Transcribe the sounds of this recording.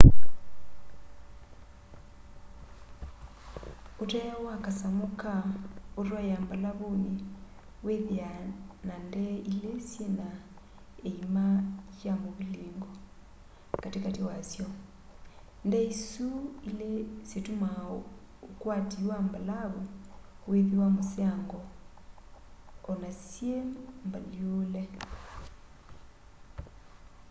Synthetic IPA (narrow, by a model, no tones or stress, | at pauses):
otajawakasamokaoɾwajambalaβoje | weðeanandɛilesjena | eimaʃjamoβileːŋɡɔ | katekatewasjɔ | ndɛisuilesetuma | okwatiwambalaβɔ | weðiwamoseaŋɡɔ | ɔnasjembaliolɛ